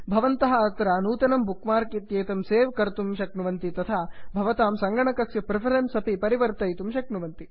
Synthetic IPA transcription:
bʱɐʋɐnt̪ɐɦɐɐt̪ɾanuːt̪ɐnɐmbukmaːɾkit̪jeːt̪ɐmseːʋkɐɾt̪umʃɐknuʋɐnt̪it̪ɐt̪ʰabʱɐʋɐt̪aːmsɐŋɡɐɳɐkɐksjɐpɾɪpʰɐɾensɐpipɐɾiʋɐɾt̪ɐjt̪umʃɐknuʋɐnt̪i

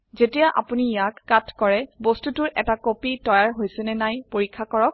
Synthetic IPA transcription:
zetijaʔa̰punijakːatʰkɔɹɛbostutʊɹʔɛtakopitɔjaɹɦojsɛnɛnajpoɹikʰːakɔɹɔk̚

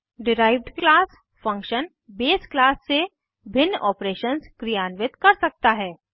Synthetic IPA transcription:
ɖɪɾaːɪʋɖklaːs | fɐ̃ŋkʃən | beːsklaːsːe | bʱɪnːʔɔːpɾeːʃənskɾijaːnʋɪt̪kɐɾsɐk̚t̪aɦɛː

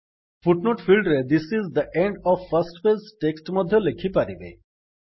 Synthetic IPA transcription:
fuʈnoːʈfilɖɾed̪isizd̪əʔẽɳɖɔʋfɐɾsʈpesʈeksʈmɔd̪ʱjolekʰipaɾiʋḛ

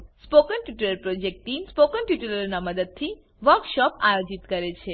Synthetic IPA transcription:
spokənʈiʈuləɾpɾod͡ʒek̚ʈʈimspokənʈiʈuləɾnaməd̪əd̪̚t̪ʰi | ʋəɾkʃɔpajod͡ʒit̪kəɾet͡ʃʰe

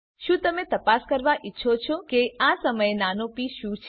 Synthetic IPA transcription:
ʃũt̪əmet̪əpaskəɾʋaʔitːʃʰot͡ʃʰokeasəməjenanopiʃũt͡ʃʰ

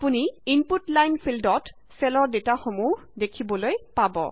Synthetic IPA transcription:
apuniinputlajnpʰildɔt | sɛlɔɹdetaxomuhdekʰibɔlojpabɔ̰

